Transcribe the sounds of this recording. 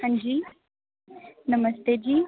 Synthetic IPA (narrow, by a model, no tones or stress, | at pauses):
ɐ̃ɲd͡ʑiː | nɐməst̪ed͡ʑiː